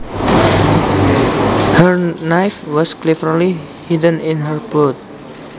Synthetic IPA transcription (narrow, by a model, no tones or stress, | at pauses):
həɹnajfwɔsklɛfəɾli | hidə̃ninɦəɹbot̪̚